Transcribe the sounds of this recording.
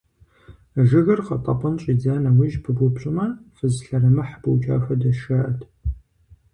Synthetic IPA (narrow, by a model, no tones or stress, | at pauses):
ʒɨɣɐrqɐ̰tʼɐpʼɐnɕʼiːd͡zaːnɐwɪʒpʰɨbʷʊpɕʼɪmɐfɨzɬɐɾɐmɐħbɐwt͡ʃʼa̰ːxɐdɐʃɐʔɐtʰ